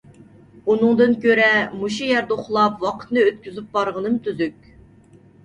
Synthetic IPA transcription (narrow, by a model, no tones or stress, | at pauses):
unɨŋd̪ɨnkʲøɾɛmuʃujæɾd̪ɛoχlˠɑpwɑqʰə̥t̪nɨøt̪kʲyzyp̚bɑɾʁənɨmt̪ʰyzykʲ